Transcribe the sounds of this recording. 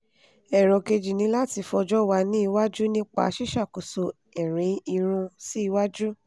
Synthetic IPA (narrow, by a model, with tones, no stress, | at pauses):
ɛ˨ɾɔ˨ke˧d͡ʒi˨nĩ˧˦la˦ti˧fɔ˧d͡ʒɔ˦wa˧nĩ˦i˧wa˦d͡ʒu˦nĩ˦k͡pa̰˧˨˧ʃi˦ʃa˦˨ko˨so˧ | ɛ˨ɾ̃ĩ˨˦i˧ɾ̃ũ˧si˦i˧wa˦d͡ʒu˦